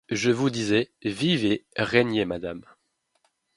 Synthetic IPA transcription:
ʒəvud̪izɛviveʁɛɲemad̪am

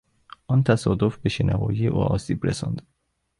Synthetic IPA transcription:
ʔɒnt̪ʰæsɒːd̪ofbe̞ʃenʔævɒ̰ːjijeʔṵːʔɒːsiːbɾḛsɒ̰nd̪̥

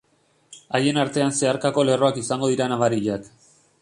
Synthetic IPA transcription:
aje̞naɾt̪e̞anse̞aɾkako̞le̞ro̞akisaŋɡo̞ðiɾanaβaɾiʎak

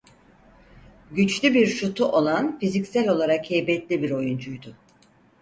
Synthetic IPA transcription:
ɟyt͡ʃlʲybiɾʃut̪ʰuʔo̞lˠanfizicsælʲo̞lˠaɾakhɛjbɛt̪lʲibiɾo̞jund͡ʒujd̪ʊ

